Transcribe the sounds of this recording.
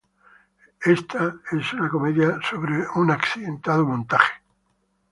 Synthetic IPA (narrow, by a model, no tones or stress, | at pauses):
est̪ae̞sunako̞meðjasoβɾeunaksiðẽnt̪að̞omõnt̪aχe̥